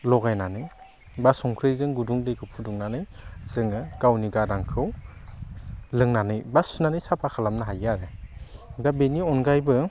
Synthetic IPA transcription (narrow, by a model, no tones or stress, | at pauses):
lɔɡajnanɯj | basɔŋkʰɾɯzɯŋɡuduŋlɯjɡɯpʰuduŋnanɯjz̥ɯŋɯɡ̥awniɡadaŋkʰɯw | lɯŋnanɯjbasunanɯjsapʰakʰalamnaɦajaɾe | ɡabeniɔnɡajbɯ